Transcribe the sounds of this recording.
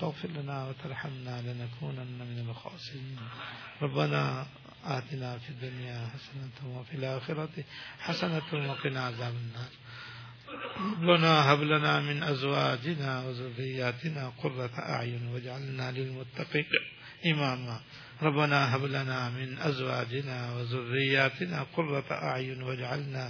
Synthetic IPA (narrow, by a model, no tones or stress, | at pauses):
t̪aɣfɪɾlanaːwat̪ɑɾˤħamnalɪnakuːnʔanːamɪnalxɑ̰ːsɪɾiːnɾˤɑbːana | ʔaːt̪ɪnafid̪ːʊnjaːħasanat̪wafilʔaːxɪɾɑt̪ħasanat̪waqɪnaʕazaːbanːaːsˤ | ɾˤɑbːanaɦablanaːmɪnʔazwaːd͡ʒɪnaːwazʊrːɪjːaːt̪ɪnaːqʊrˤːɑt̪ʔa̰ʕjʊnwad͡ʒaʕalnaːlɪlmʊt̪ːaqiːn | ʔɪmaːma | ɾˤɑbːanaːɦablanaːmɪnʔazwaːd͡ʒɪnaːwazʊrːɪjːaːt̪ɪnaːqʊrːɑʔa̰ʕjʊnwad͡ʒaʕalnaː